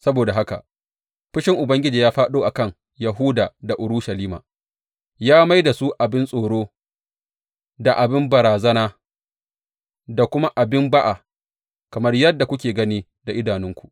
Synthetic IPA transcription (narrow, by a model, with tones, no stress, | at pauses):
sɐ˦boː˨da˨ɦa˦ka̰˨ | ɸɪ˦ʃɪ˦ŋʔʊ˨bɐ˦ŋɡʲɪ˦d͡ʒiː˨jaː˦ɸaː˦ɗoː˦ʔa˨kɐ˦˨ŋ | jɐ˨ɦu˦daː˨da˨ʔʊ˨ɾʊ˦ʃɐ˨liː˦ma̰ː˨ | jaː˦ma˦jda˨su˦ʔa˨bɪ˦nsʼoː˨ɽoː˦ | da˨ʔa˨bɪ˦mbɐ˨ɾaː˨zɐ˦naː˦ | da˨kʷʊ˦ma˦ʔa˨bɪ˦mba˦ʔa˨ | kɐ˨mɐ˦rjɐ˦dːa˨kʷʊ˦kʲeː˨ɡɐ˦niː˦ | da˨ʔɪ˦daː˨nɪ˦ŋkʷu̥˨ʔ